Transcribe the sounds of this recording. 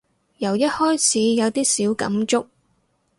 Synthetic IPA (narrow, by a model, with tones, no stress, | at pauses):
jɐ˨˩wjɐ˥t̚hɔː˥jt͡sʰiː˨˥jɐ˨˧wt̪iː˥siː˨˥wkɐ̰˨˥mt͡sʊ˥k̚